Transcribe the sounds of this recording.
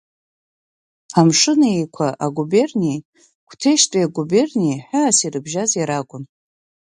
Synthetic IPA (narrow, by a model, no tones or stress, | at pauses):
amʂɨnaejkʷʰaʔaɡube̞rnij | kʷʰtʰe̞ʃtʼiaɡube̞rnijħaːsiɾɨbʒazjaɾakʷʼʊn